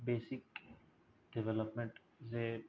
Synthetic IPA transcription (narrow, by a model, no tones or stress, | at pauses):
beːsɪk | ɖɛʋɛləpmẽɳʈ | se